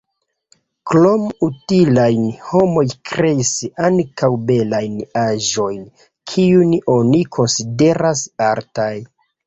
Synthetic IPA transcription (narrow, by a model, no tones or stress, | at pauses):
klo̞mutilajnho̞mo̞jkɾe̞isaŋkawbe̞lajnaʒo̞jn | kʰiuno̞nikʰo̞nside̞ɾasaɾtaj